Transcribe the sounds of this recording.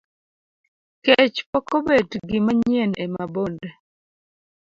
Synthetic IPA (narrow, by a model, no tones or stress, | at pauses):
ket͡ʃpɔkobetɡɪmaɲjenemabonde